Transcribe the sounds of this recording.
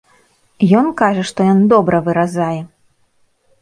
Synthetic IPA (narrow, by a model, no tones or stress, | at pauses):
jɔnkaʐɐʂt̪ɔjɔnd̪ɔbɾʔɐvɨɾazajɛ